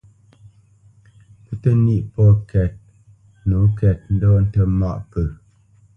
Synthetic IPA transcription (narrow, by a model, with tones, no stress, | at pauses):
pə˦tə˦ni˦ʔpɔ˦˨kʰɛ˨t̚ | nu˨˦kɛ˨t̚n̩˦dɔ˦n̩˦tə˦ma̰˦ʔpə˨